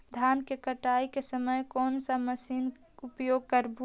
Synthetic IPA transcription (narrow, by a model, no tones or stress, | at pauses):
d̪ʱjaːnkekəʈaikesəməjkɔːnsəməsiːn | upjoːɡ̚kəɾbʱu